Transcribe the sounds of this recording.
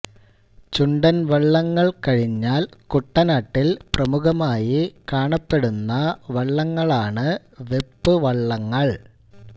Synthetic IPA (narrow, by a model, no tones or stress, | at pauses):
t͡ɕuɳɖɐnʋɐɭːɐŋːɐɭkɐɻiɲːaːlkuʈːɐnaːʈːilprɐmuɣɐmaːjikaːɳɐpːe̞ɽunːɐʋɐɭːɐŋːɐɭaːɳɨ | ʋepːɨʋɐɭːɐŋːɐɭ